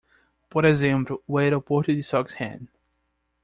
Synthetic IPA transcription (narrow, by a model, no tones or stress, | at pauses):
poɾezẽmplʊwejɾawpoɾt̪ʊd̪ɪsɔkshɛ̰̃n